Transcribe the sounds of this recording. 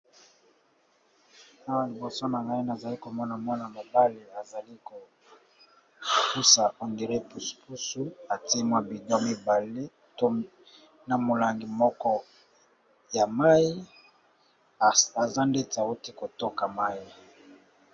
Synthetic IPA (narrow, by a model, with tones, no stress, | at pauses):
a˦wa˨li˨bo˨so˦na˨ŋɡa˦i˦na˨za˨li˦ko˨mɔ˦na˨mwɔ˦na˨ma˨ba˦le˨a˨za˨li˦ko˨ | pu˦sa˨ʔɔ˨ndi˨ʁe˦pu˨spu˦su˦a˨ti˦e˦mwa˦bi˨dɔ˦mi˦ba˨le˦ | to˦ | na˨mo˨la˨ŋɡi˨mɔ˦kɔ˦ | ja˨ma˦i˦˨ | a˨za˦nde˦ta˨o˦ti˦ko˨to˦ka˨ma˦i˦